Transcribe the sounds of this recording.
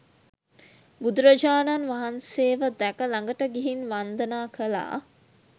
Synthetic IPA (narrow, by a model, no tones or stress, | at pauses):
bud̪uɾəd͡ʒaːnanʋaɦanseːʋəd̪ɛkəlaŋɡəʈəɡeɦinʋand̪ənaːkəla̰ː